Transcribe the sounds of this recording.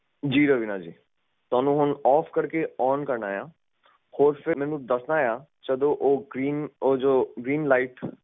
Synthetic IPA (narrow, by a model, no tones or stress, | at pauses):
d͡ʒiːɾəʋiːnaːd͡ʒḭː | t̪ʊaːnũːɦʊnɔːpʰkəɾkeɔːnkəɾnaːjãː | hoːɾpʰɪmɛ̃ːnũːd̪əsnaːjaːt͡ʃəd̪õːʔoːɡɾiːnoːd͡ʒoːɡɾiːnlaːiʈ